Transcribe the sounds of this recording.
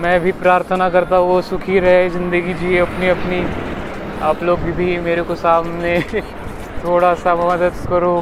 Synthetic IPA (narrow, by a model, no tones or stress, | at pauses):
mɛ̃ːbʱipɾaːɾt̪ʰənakɐɾt̪aɦũʋosʊkʰiɾɐɦezɪ̃nd̪əɡid͡ʒieɐpniɐpni | aːploːɡbʱibʱimeːɾekosaːmne | t̪ʰoːɽasamɐd̪əd̪kɐɾo